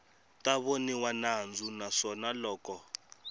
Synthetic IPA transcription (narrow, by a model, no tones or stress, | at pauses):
tʼaβoniwanand͡zʱunaʂɔnalɔːkɔ